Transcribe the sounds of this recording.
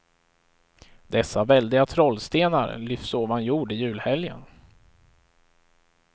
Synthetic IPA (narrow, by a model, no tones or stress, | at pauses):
d̪ɛsːavɛld̪ɪɡat̪ʰɾɔlst̪eːna̰ɾlʏfsoːvanjuːɖɪjʉ̟ːlhɛljə̰n